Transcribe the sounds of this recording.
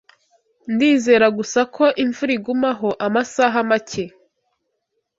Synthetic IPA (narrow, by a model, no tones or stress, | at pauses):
ndiːze̞ːɾaɡusakʰo̞ʔiɱvuɾiɡumaɦoʔamasaɦamace